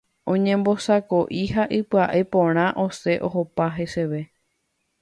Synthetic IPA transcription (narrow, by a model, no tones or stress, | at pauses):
õɲẽ̞mbosako̞ʔiɦaʔɨpɨaʔepõɾ̃ãʔo̞se̞ʔoɦopaɦe̞se̞ʋe̞